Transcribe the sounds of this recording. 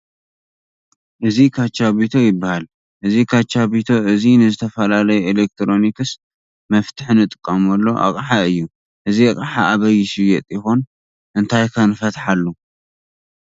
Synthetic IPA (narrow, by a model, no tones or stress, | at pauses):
ʔɨzikʰat͡ʃːaβit̪ʰo̞jɪbːahal | ʔɨzikʰat͡ʃːaβit̪ʰo̞ʔɨzinɨzɨt̪ʰɐfɐlalɐjuelek̚t̪ʰɾo̞nikɨs | mɐft̪ʰɨħɨnɨt̪ʼɨkʼːɐmolːoʔa̰kʼħaɨjːu | ʔɨziakʼħaʔaβɐjɪsijɛt̪ʼjɪxon | ʔɨnt̪ʰajkʰɐnɨfɐt̪ħalːu